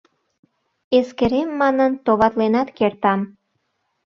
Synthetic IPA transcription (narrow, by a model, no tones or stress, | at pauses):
eskeɾemːɑnənt̪oβɑt̪lenɑt̪kert̪ɑm